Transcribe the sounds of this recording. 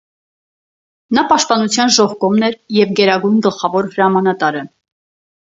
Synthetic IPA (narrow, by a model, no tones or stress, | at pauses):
nɑpɑʃt̪̚pɑnut͡sʰjɑnʒɔhkɔmnɛɾjɛvɡɛɾɑɡujnɡəlχɑvɔɾhəɾɑmɑn̪ɑt̪ɑɾə